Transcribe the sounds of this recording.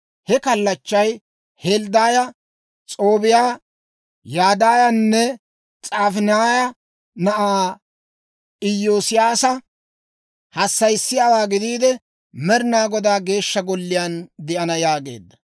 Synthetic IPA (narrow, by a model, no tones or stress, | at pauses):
hɛkɐlːɐt͡ʃːɐj | held̪aːjɐ | t͡sʼoːbɪjaː | jaːd̪aːjɐnːɛ | t͡sʼaːfɪnaːjɐ | nɐʔaː | ʔɪjːoːsɪjaːsɐ | hɐsːɐjsːɪjaːwaːɡɪd̪iːd̪ɛ | mɛɾɪnaːɡɔd̪aːɡe̞ːʃːɐɡɔlːɪjand̪ɛʔɐnɐjaːɡḛːd̪ːɐ̥